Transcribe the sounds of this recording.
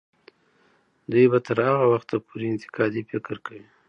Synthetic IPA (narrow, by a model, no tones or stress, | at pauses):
d̪ujbat̪əɾhaɣawaxt̪apʰuɾeɪnt̪ɪ̥qɑd̪ifɪkɾkawi